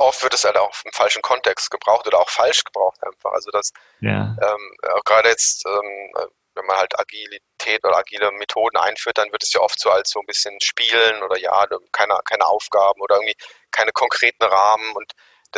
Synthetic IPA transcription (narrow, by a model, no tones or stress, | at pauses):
ʔɔftv̥ɪɐtɛshaltaʊxɪmfalʃn̩kʰɔntʰɛkstɡ̥əbʁaʊxtʔoːdɐaʊxfalʃɡ̥əbʁaʊxtʔa̰ɪnfa̰χʔa̰lzodas | ʔɛːma̰ʊxɡ̥ʁaːdəjɛt͡stʔɛːm̰ | vɛnmanhaltʔa̰ɡilitʰɛːtʔoːdɐ̰aɡiːləmetʰoːdn̩ʔa̰ɪnfyːɐt̚d̥anvɪɐtɛ̥sjaːʔɔftz̥oːalsz̥oːnbɪsçənʃpiːlənoːdɐja̰ːdkʰaɪnə̰kʰaɪnəʔaʊfɡ̥aːbm̩ʔoːdɐɪɐŋtv̥iːkʰaɪnəkʰɔŋkʁ̥eːtn̩ʁaːmənʊnt | d̥a